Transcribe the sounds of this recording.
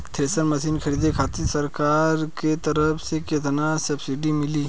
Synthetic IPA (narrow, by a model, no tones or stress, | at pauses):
t̪ʰeːsəɾmɐsiːnkʰɐɾiːd̪ekʰaːt̪isɐɾkaːɾket̪ɐɾəfʰseket̪ənasɐbsɪɖimɪliː